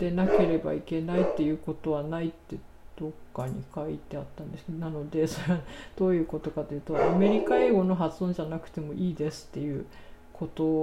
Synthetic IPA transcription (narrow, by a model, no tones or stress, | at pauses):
d̪̥e̞nake̞ɾe̞ba̰ike̞nait̪ːe̞jɯ̟ːko̞t̪o̞β̞anait̪ːe̞d̪̥o̞kːaɲ̟ḭkait̪e̞at̪ːãnd̪e̞sɨ̥ked̪onano̞d̪e̞soɾeβad̪̥o̞ːjɯ̟ːko̞t̪o̞kat̪ːojɯ̟ːt̪oame̞ɾʲikae̞ːɡo̞no̞ɦat͡sɨ̥õ̞ɲ̟d͡ʑanakɯ̟̥t̪e̞mo̞ʔiːd̪e̞sɨ̥t̪ːe̞jɯ̟ː | kʰo̞t̪o̞